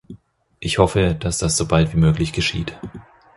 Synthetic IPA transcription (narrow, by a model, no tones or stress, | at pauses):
ʔɪçhɔfəd̥asd̥asz̥obaltv̥iːmøːklɪçɡ̥əʃḭːt